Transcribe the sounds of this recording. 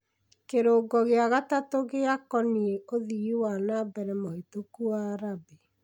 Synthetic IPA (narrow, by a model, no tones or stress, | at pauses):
keɾoːɡɔɣeaɣatatoɣeakɔnieoðiiwanabɛɾɛmohitukuaːɾabi